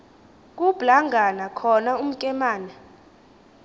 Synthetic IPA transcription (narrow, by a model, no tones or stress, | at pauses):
k̬ʼub̥laŋɡʱanakʰɔnaum̩kʼɛmaːnɛ